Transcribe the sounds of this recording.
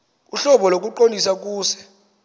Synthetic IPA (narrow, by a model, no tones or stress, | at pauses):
uɬɔɓɔlok̬ʼuǃondʱisak̬uːsɛ̥